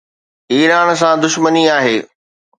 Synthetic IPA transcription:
iːɾaːɽ̃s̬ãd̪ʊʃməniaːɦeː

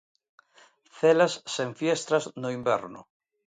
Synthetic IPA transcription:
θelasːeɱfjest̪ɾaznʊimbɛ̰ɾnʊ̰

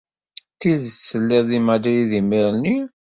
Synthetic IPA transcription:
θiðəsːəlːɪðˤimæd̪iliðimiɾni

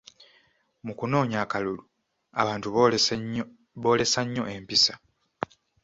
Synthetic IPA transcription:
mukuno̞ːɲaːkalulu | a̰βaːntu | βo̞ːle̞saɲːo̞ʔe̞mpisa

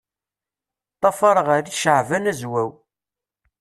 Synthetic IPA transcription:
t̪ˤːɑfɑɾˤəʁaɾiʃəʕvænæzwæw

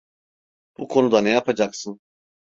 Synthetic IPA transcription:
b̥ukʰo̞nud̪anɛjapad͡ʒaksɯn

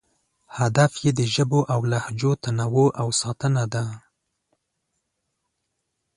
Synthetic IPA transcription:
had̪afjed̪əʒəboʔawlahd͡ʒot̪anawoʔawsɑt̪ənad̪a

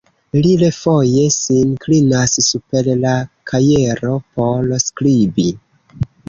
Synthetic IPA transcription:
lilefo̞je̞sinklinassupe̞llakʰaje̞ɾo̞po̞lsklibi

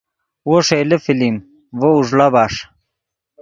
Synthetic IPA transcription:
woʂelefilim | vouʐlabaʂ

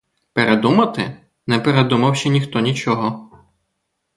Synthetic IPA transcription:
peɾʔed̪umɐt̪ɪ | nɛpeɾed̪umɐwʃɛnʲixt̪ɔnʲit͡ʃɔɦɔ

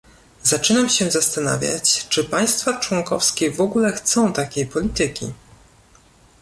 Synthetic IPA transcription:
zat͡ʂɘnamɕɛzast̪ana̰vʲja̰t͡ɕt͡ʂɘpaj̃st̪fat͡ʂwɔŋkɔfskʲɛvɔɡulɛxt̪sɔ̃w̃t̪akʲejpɔlʲit̪ɘkʲḭ

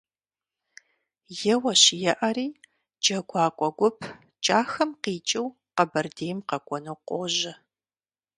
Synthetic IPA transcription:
jɛwɐɕjɛʔɐriː | d͡ʒʼɐɡʷɑːkʷʼɔɡʷʊpʰ | t͡ʃʼaːxɐmqiːt͡ʃʼɪw | qɐbɐrdeːjmqɐkʷʼɔnowqʷoʒɐ

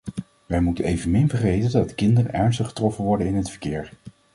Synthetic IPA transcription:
ʋɛjmutənejvənmɪnvəɹχejtəndɑddəkɪndərə̰nɛɹnstəχə̥trɔfənʋɔɹdənɪnətfəɹkɪːɹ

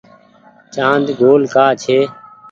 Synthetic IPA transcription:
t͡ʃãːnd̪ɡʱoːlkaːt͡ʃʰeː

